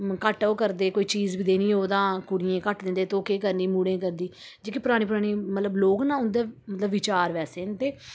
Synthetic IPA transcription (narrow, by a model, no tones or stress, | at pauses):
kəʈoːkəɾd̪eːkoːiːt͡ʃiːzbiːd̪eːnĩːɦoːd̪ãːkʊɽɪjẽːkəʈd̪ẽnd̪eːt̪oːkeːkəɾnĩːmuːɽẽːk̬əɾd̪iː | d͡ʒeːkipʊɾaːɽ̃iːpʊɾaːɽ̃iːmət̪ləbloːɡnãːʊnd̪eːmət̪ləbʋɪt͡ʃaːɾʋɛːseːnt̪eː